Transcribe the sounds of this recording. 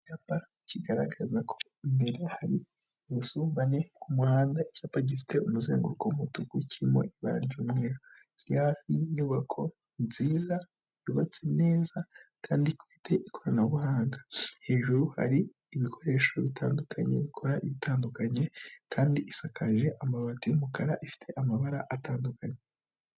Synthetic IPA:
capa | ciɡaɾaɡazakʰo̞ | imbe̞ɾehaɾi | βusuːmbane̞kumuhaːndaicapaɟifi̥teumuzeːŋɡuɾukomutukucʰiimo̞̰ʔiβa̰ɾa̰ɾɟuːmŋe̞ːɾo | ɟhaːfiɲuβakʰo̞ | ziːza | juβat͡sene̞ːzakaːndiku̥fitʰe̞ʔikʰo̞ɾanaβuhaːŋɡahe̞ːʒuɾuha̰ɾiː | βikʰo̞ɾe̞ːʃo̞βitʰaːndukʰaɲe̞̰βikʰo̞ɾaʔiβitʰaːndukaɲe̞kʰaːndiʔisakʰaʒe̞ʔamaβatijumukaɾaʔifi̥tʰe̞ʔamaβaɾaʔataːndukaɲe

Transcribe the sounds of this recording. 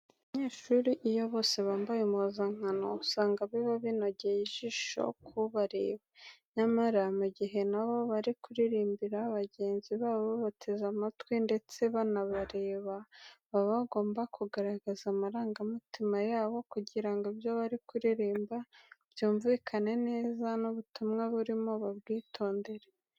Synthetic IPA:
βaɲeːʃuɾiʔijo̞βo̞ːse̞βaːmbajumozaŋ̥ano̞usaːŋɡaβeβaβino̞ɟejiʒiʃo̞̰kʰuβaɾe̞̰ːβaɲamaɾamuɟiɦe̞naβo̞βaɾikuɾiɾiːmbiɾaβaɟe̞ːnziβaːβoβatʰe̞zamatwinde̞t͡se̞βanaβaɾe̞ːβaβaβaɡo̞ːmbakʰuɡaɾaɡazamaɾaːŋɡamitimajaːβo̞kuɟiɾaŋɡoibjoβaɾikuɾiɾiːmbabjuːɱvikʰane̞ne̞ːzanuβutumŋaβuɾimo̞βaβ̚ɡiːtʰo̞ːnde̞ɾe

